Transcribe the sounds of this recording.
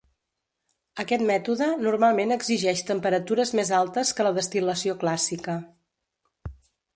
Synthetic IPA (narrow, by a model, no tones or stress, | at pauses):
əkɛt̪mɛt̪uðənurmalˠmenəɡziʒɛʃt̪əmpəɾət̪uɾəzmezalˠt̪əskələðəst̪iləsioklasikə